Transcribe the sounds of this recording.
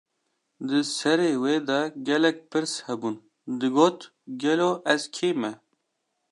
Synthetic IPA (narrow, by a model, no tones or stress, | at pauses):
d̪ɨsɛɾeːweːd̪ɑɡɛlɛk̚ʲpʰɨɾshɛbuːn | d̪ɨɡoːt̪ | ɡɛloːʔɛzkʰeːmɛ